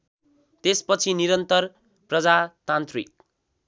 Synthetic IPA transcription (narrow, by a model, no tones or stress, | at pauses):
t̪espʌt͡sʰiniɾʌnt̪ʌr | prʌd͡zat̪ant̪rḭk̚